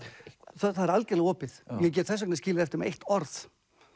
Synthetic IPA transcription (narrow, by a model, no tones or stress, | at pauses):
θaθaðɛɾalcɛɾlɪɣɔːpɪθjɛɣc̬ɛt̪θɛs̬ɔknasciːlɪðɛft̪ɪɾmɛejht̪ɔɾθ